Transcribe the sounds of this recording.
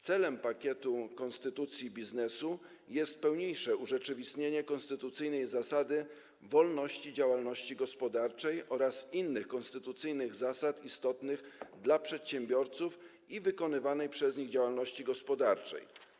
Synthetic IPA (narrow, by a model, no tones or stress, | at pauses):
t̪sɛlɛmpakʲɛt̪ukɔnst̪ɘt̪ut̪sʲjibʲiznɛsu | jɛst̪̚pɛwɲejʂɛuʐɛt͡ʂɘvʲist̪ɲeɲɛkɔnst̪ɘt̪ut̪sɘjnɛjzasad̪ɘ | vɔlnɔɕt͡ɕid͡ʑawalnɔɕt͡ɕiɡɔspɔd̪aɾt͡ʂɛjʔɔɾasinːɘxkɔnst̪ɘt̪ut̪sɘjnɘɣzasat̪ist̪ɔt̪nɘɣd̪lapʂɛt̪ɕɛmbʲjɔɾt̪suf | ivɘkɔnɘvanɛjpʂɛzɲiɣd͡ʑawalnɔɕt͡ɕiɡɔspɔd̪aɾt͡ʂɛ̰j